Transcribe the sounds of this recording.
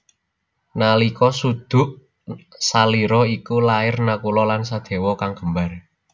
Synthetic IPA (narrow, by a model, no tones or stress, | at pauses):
nalikɔsud̪̥ʊ̤ʔ | saliɾɔikulaɪrnakulɔlansad̪̥e̤wɔkaŋɡ̥ə̤mbar